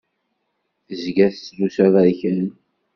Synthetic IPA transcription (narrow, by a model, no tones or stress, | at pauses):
θəzɡæθt͡sːdusæðæɾçən